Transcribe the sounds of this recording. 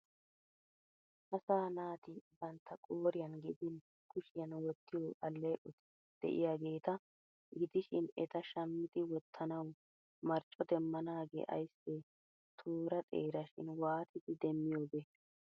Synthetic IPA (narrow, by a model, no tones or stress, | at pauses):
ʔɐsaːnaːt̪ɪbɐnt̪ːɐkʼoːɾɪjɐnɡɪd̪ɪn | kʊʃɪjɐnwɔt̪ːɪjoːʔɐlːɐjʔʊt̪ɪ̥ | d̪̥ɛ̰ʔɪ̰jaːɡe̞ːt̪ɐ | ɡɪd̪ɪʃɪnɛt̪ɐʃɐmːɪt̪ɪwɔt̪ʰːɐnɐw | mɐɾt͡ʃʼɔd̪ɛmːɐnaːɡḛːʔɐ̰jsːɛ | t̪ʰoːɾɐt̪ʼḛːɾɐʃɪ̰nwaːt̪ɪd̪ɪd̪ɛmːɪjo̞ːbɛ